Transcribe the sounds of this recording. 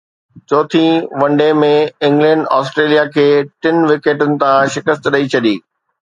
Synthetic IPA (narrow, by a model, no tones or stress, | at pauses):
t͡ɕoːt̪ʰĩʋɐ̃ɳɖemẽɪ̃ŋɡlɛ̃ːɳɖaːsʈɾeːlijakʰeːʈɪnʋɪkeːʈənɪ̆t̪ʰãʃɪkəst̪ɗɐit͡ɕʰɐɗiː